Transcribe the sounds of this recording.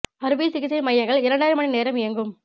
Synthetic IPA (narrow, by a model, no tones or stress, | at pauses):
ɐɾɯbiːsɪkɪsɐmɐjːɐŋɡɐɭɪɾɐɳɖaːɪɾɯmɐɳineːɾɐmɪjɐŋɡɯm